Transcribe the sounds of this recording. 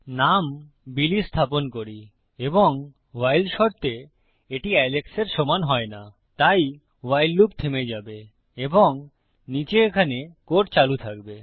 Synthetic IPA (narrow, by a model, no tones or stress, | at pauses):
nam | bilist̪ʰaponkoɾi | eboŋ | wajlʃɔɾt̪e | eʈiɛlekseɾʃɔmanɦɔena | t̪aj | wajlːupt̪ʰemed͡ʑabe | eboŋ | nit͡ɕeekʰanekoʈ̚t͡ɕalut̪ʰakbe